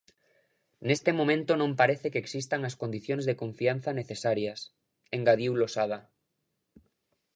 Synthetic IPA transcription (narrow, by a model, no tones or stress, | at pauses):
nest̪emomẽnt̪onõmpaɾeθekeksist̪aŋaskond̪iθjonzðekõɱfianθaneθesaɾjas | eŋɡaðiwlosað̞a